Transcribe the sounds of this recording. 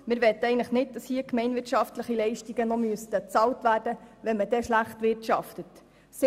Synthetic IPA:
mɪɾʋɛt̪ːəɛɪɡnləχnɪt̚d̥ɑshiːəkmɛɪnʋɪɾtʃɑftləχilɛɪʃtiɡənɔmyəstət͡sɑːltʋæːɾd̥əʋɛnmədɛʃlæχtʋɪɾtʃɑftət | sɪ

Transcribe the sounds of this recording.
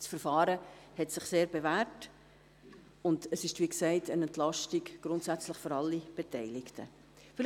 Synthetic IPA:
sfəɾfɑːɾəhɛtsɪχseːɾbevæɾt | ʊndəsɪʃtʋiːksɛɪtʰənɛntlɑʃtiɡɡ̥ɾʊntsæt͡slɪχføɾɑlːib̥etɛɪlɪktʰə̰ | fɪɾ

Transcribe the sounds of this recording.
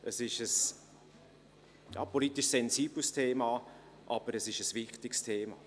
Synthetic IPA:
əsɪʃəs | jɑ̰ːpʰolit̪ɪʃsɛnziːbl̩stʰeːmɑː | ʔɑb̥əɾəsɪʃəsvɪχtɪkstʰeːmɑ̰ː

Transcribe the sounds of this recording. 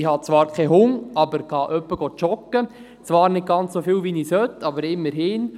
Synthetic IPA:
ihɑt͡sʋɑːɾkʰɛɦʊŋɑbəɾkʰɑʔœpːəɡ̥ɔt͡ʃɔkə | t͡sʋɑːɾnɪt̪̚ɡ̥ɑnt͡ssofɪːwʋiniːshœtːɑbəɾɪmːəɾɦɪːn

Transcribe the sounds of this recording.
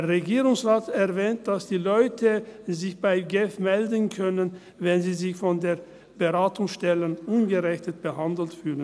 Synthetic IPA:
ɐʁeɡiːʁʊŋsʁaːtɛɐvɛːnt̚d̥asd̥iːlɔʏtʰəzɪçb̥aɪɡɛfmɛldən̩kʰœnən | vɛnziːzɪçfɔndeːɐ | b̥əʁaːtʊŋsʃtɛlənʔʊnɡəʁɛçtət̚b̥əhandl̩tfyːlən

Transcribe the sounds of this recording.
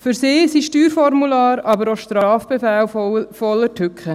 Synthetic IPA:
fʏɾsɪːsiʃtyːɾfɔɾmulɑːɾɑbəɾoʃtɾɑːfb̥efɛːlfɔlːətʰʏkχə

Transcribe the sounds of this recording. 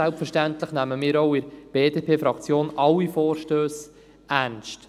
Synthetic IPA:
ælpfəɾʃtænt̪ləχnæməmɪːɾoʊɪɾb̥eːdeːpʰeːfɾɑkt͡sjoːnʔɑlːifɔːɾʃtøːs | ænʃt

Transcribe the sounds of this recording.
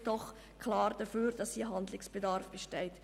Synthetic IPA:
d̥ɔχ | kʰlɑːɾd̥əføːɾd̥ɑsdiɦɑndlɪksb̥ɛdɑɾfb̥ɛʃtɛɪt

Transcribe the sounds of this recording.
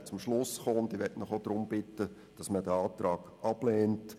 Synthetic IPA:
t͡sʊmʃlʊsχɔnt̪iʋɛtnəχod̥̪ɾʊmb̥ɪtːə | d̥ɑsmədəɑːtɾɑːɡ̥ʔɑb̥leːnt

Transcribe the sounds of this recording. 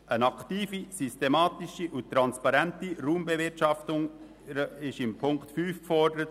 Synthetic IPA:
ənɑktiːfisystemɑːt̪iʃiʔʊt̪ːɾɑnspɑɾɛntiɾuːmbɛvɪrtʃɑftʊŋ | ɾəɪʃɪmpʰʊŋktfyːfkfɔɾdəɾət

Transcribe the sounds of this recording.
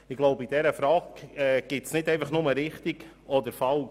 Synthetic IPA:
ɪɡ̥loʊbəid̥ɛɾəfɾɑːɡɛɡ̥ɪtsnɪdɛɪfɑχnʊməɾɪχt̪iɡɔd̪əɾfɑl

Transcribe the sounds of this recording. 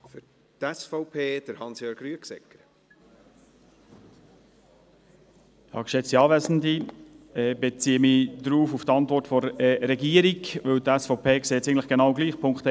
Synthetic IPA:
fʏɾ | tɛsfɔʊpʰeːd̥əɾhɑnsjøːɾɡɾyəksɛ̰kːəɾ | hɑ̰ːkʃɛt͡siɑːvæzn̩d̪iɛbet͡siːəmid̪ɾuːfuft̪ɑnt̪vʋɔrtfɔɾɛɾɛɡiːəɾikʋɵwt̪æsfɔʊpʰeːkseːɛt͡sɛɪɡn̩tləχɡ̥enɑʊɡliːχpʰʊŋkt̪

